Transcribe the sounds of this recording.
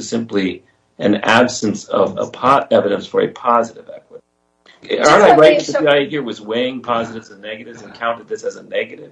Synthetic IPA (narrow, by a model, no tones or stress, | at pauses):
ɨz̥sɪ̃mpli | ɨ̃næbsɨ̃n̩sʌ̰və̰pʰɑɾɛvɨɾɨ̃nsfə˞ɨ̰pʰɑzɨɾɨvɛ̰kwə | ɑnaɪɹaɪðɨaɪhiɹwʌzweɪɪ̃ŋpʰɑzɨɾɨvzɨ̃nːɛɡɨɾɨvzɨ̃nkʰãʊ̃ntɨd̪̚ðɪsɨzənɛɡɨɾɪv̥